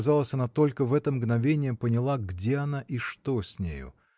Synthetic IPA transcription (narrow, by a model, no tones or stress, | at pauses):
zalˠəsʲɐnat̪o̞lʲkəvɛt̪əmɡnɐvʲenʲɪjəpənʲɪlˠaɡdʲeɐnaʔiʂt̪osʲnʲḛjʊ̰